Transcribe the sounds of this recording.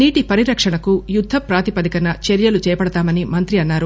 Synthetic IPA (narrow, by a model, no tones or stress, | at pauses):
niːʈipɐɾiɾɐkʂɐɳɐkujud̪ʱːɐpɾaːt̪ipɐd̪ikɐnɐt͡ʃeɾjɐlut͡ʃɛːjɐpɐɽɐt̪aːmɐnimɐnt̪ɾiɐnːaːɾu